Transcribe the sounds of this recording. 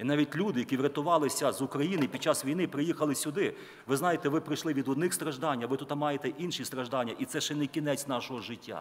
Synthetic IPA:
inɑʋʲit̚ʲlʲud̪ɪjɐkʲiʋɾʲɐt̪ʊʋɑlˠɪsʲɐzʊkɾɐjinɪipʲid̪̚t͡ʃɑsʋʲijnɪpɾɪjixɐlˠɪsʲʊd̪ɪ | ʋɪznɑjet̪ɛʋɪpɾɪjʃlˠɪʋʲid̪ʊd̪nɪxst̪ɾɐʒd̪ɑnʲːɐʋɪt̪ut̪ɐmɑjet̪ɛʔinʃist̪ɾɐʒd̪ɑnʲːɐʔit̪sɛʃɛnɛkʲinɛt͡sʲnɑʃɔɦɔʒɪtʲːa̰

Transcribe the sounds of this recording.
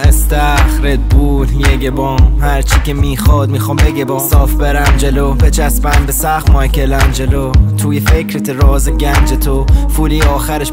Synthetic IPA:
ʔest̪æxɾed̪̚buːljeɟebɒːmhæɾt͡ʃʰicʰemiːxɒːd̪̚miːxɔːmbeɟebɒːsɒːfbeɾæmd͡ʒelobet͡ʃʰæsbæmbesæxmɒjkʲʰelæmd͡ʒelot̪ʰuːjefecɾet̪ʰeɾɒːzeɟænd͡ʒet̪ʰofuːliːɒːxæɾeʃ

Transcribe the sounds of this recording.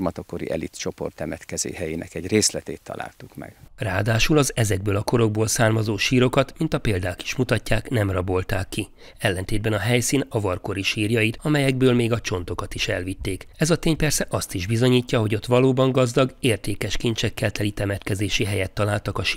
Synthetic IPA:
mɒt̪okoɾḭʔɛ̰lit̪t͡ʃo̞po̞̰rt̪ːɛmɛt̪kɛzḛːhɛjinɛ̰kɛɟreːslɛt̪eːt̪ʰːɒ̰la̰ːlt̪ukmɛ̰ɡ̥raːd̪aːʃulɒzɛzɛɡ̚bøːlɒko̞ɾo̞ɡ̚boːlsaːrmɒzoːʃiːɾo̞kɒt̪mint̪ɒpeːld̪aːki̥ʃmut̪ɒcːaːknɛmrɒbo̞lt̪aːkːi | ɛlːɛnt̪eːd̪̚bɛnɒɦɛjsiːnɒvɒrko̞ɾiʃiːrjɒjit̪ɒmɛjɛɡ̚bøːlmeːɡɒt͡ʃo̞nt̪o̞kɒt̪iʃɛlʋit̪ːeːkɛzɒt̪eːɲpɛrsɛʔɒst̪iʒbizo̞ɲiːcːɒɦo̞ɟo̞t̪ʋɒloːbɒŋɡɒzd̪ɒɡeːrt̪eːkɛʃkint͡ʃɛkːɛlt̪ɛlit̪ɛmɛt̪kɛzeːʃiɦɛjɛt̪ːɒlaːlt̪ɒkɒʃ

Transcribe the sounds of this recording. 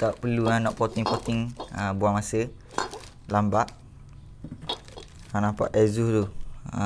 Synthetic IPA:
t̪aʔpəluanɔʔpot̪ɪŋpot̪ɪŋəbuamasə | lambaʔ | anapa̰ʔɛzʊht̪u

